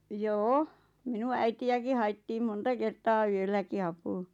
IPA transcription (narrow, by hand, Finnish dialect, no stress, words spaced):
joːo minun æitiæki hɑitːiːm montɑ kertɑː yølːæki ɑpuː